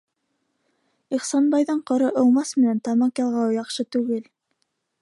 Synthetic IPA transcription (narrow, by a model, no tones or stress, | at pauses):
iχsɑnbɑjðɤɴqɤ̆ɾɤʔɤ̆w̪ˠmɑsmɘ̆nænt̪ɑmɑqjɑlˠʁɑwjɑqʃɤt̪ʉɡɘl